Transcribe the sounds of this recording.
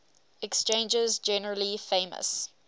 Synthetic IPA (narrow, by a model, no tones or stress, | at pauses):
ɛkst͡ʃẽɪ̃nd͡ʒɪzd͡ʒɛnəɹəlifẽɪmə̰s